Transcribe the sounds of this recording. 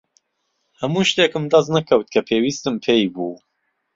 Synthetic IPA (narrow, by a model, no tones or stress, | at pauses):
hɐmuːʃt̪eːkɨmd̪ɐznɐkʰɐwt̪̚kʰɐpʰeːwiːst̪ɨmpʰejbuː